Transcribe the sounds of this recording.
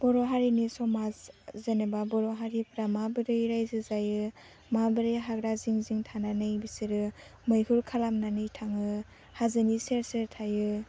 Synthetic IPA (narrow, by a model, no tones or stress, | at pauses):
b̥ɔɾɔɦaɾinisɔmazzenebabɔɾɔɦaɾipʰɾamabɯɾɯjɾajzɯzajɯ | mabɯɾɯjɦaɡɾaziŋziŋtʰananɯjbisiɾɯmɯjhuɾkʰalamnanɯjtʰaŋɯ | hazɯniseɾseɾtʰajɯ